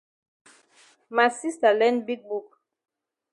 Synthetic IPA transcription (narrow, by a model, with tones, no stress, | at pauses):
ma˨si˦sta˨lɛ̃˦ndbi˦k̚bu˨k